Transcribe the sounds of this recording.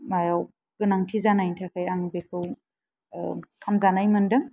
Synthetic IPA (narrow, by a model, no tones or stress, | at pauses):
majaw | ɡ̥ɯnaŋtʰizanajntʰakʰajaŋbekʰɯw | kʰamzanajmɯndɯŋ